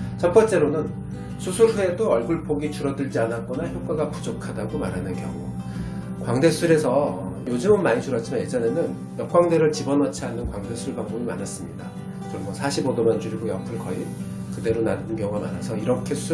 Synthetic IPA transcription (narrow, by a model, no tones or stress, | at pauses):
t͡ɕʌpʰʌnt͡ɕ͈e̞ɾonɯn | sʰusʰuɾɦue̞doʌɭɡuɭpoɡit͡ɕuɾʌdɯɭd͡ʑianak͈ʌnaçjok͈aɡapu̥d͡ʑʌkʰadaɡomaɾɦanɯnkjʌ̰ŋṵ | kwaŋde̞sʰuɾe̞sʰʌjod͡ʑɯmɯnmaɲit͡ɕuɾʌtt͡ɕ͈ʰimanjed͡ʑʌne̞nɯn | jʌk͈waŋde̞ɾɯɭt͡ɕibʌnʌt͡ɕʰianːɯnkwaŋde̞sʰuɭbaŋbomima̰nas͈ɯmɲida | d͡ʑʌmːʌsʰaɕʰibodomant͡ɕuɾiɡojʌ̰pʰɯɭkʌi | kɯde̞ɾonandɯnkjʌŋuama̰na̰sʰʌiɾʌkʰe̞sʰu